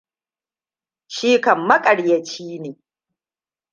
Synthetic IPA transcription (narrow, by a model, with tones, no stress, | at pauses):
ʃiː˦kɐ˨mːɐ˦kʼɐ˨ɽjɐ˨t͡ʃiː˦neː˨